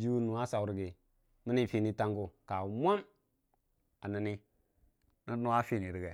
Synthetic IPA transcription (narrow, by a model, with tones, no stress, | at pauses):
d͡ʒi˦wu˦nu˨a˦sa˨wɾɡe˨ | mi˦ni˦fi˦ni˦ta˦ŋɡu˦ka˨mʷa˦m | a˨na˨ni˦ | na˦nu˦wa˦fi˦˨ni˨ɾi˨ɡɛ˨